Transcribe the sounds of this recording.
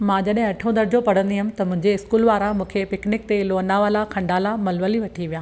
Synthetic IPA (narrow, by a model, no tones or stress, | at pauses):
mãːd͡ʑɐɗɦɪ̃ɐʈʰõd̪ɐɾɪd͡ʑopɐɽ̤ə̃nd̪iɦɪmɪ̃t̪ɐmʊ̃ɦɪ̃ɲd͡ʑeɪskuːlʋaːɾamũːkʰepɪknɪk̚t̪eloːnaʋaːlakʰɐ̃ɳɖaːlamɐlʋəliʋɐʈʰiʋijãː